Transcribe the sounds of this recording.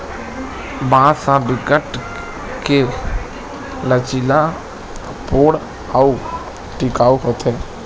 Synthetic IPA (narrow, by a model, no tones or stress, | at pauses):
bãːsãbɪkəʈ | ke | lət͡ʃila | poːɽ | au | ʈɪkaːuɦot̪ʰɛː